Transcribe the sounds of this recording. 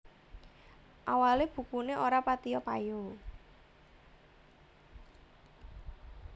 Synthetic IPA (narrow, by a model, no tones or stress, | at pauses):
ʔawaleb̥ṳkuneʔoɾapat̪ijɔpaju